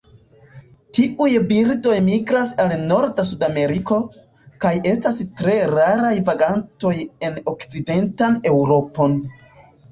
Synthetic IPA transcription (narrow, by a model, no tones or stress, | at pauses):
tiʔujbiɾdo̞jmiɡɾasalno̞ɾdas̬udame̞ɾiko̞ | kaje̞stastɾe̞ɾaɾajvaɡanto̞je̞no̞kt͡side̞ntane̞wɾo̞po̞n